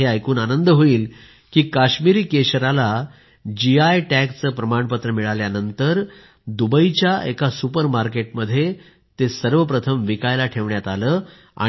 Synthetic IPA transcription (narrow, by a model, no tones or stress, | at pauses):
eajkuːnanənd̪əɦoiːl | kiːkaɕmiɾiːkeɕɾala | d͡ʑiajʈækt͡səːpɾəmaɳpət̪ɾəmiɭaljanənt̪əɾ | d̪ubəit͡ɕjaḛkasupəɾmaɾkeʈməd̪ʱːje | t̪esəɾʋəpɾət̪ʰəmʋikajlaʈʰeʋɳjat̪aləː | a̰